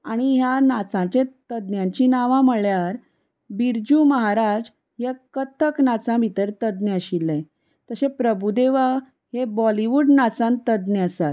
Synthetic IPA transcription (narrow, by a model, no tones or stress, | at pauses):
aɽ̃iɦjanat͡sãt͡ɕẽt̪əd̪njãɲt͡ɕinaʋãməɭjaɾ | biɾd͡ʑuməɦaɾad͡z | ɦjakət̪əknat͡sãbʱit̪əɾt̪əd̪nəəɕilːe | t̪əɕẽpɾəbud̪eʋa | ɦebɔliʋuɖnat͡sãnt̪əd̪nəəsat̪̚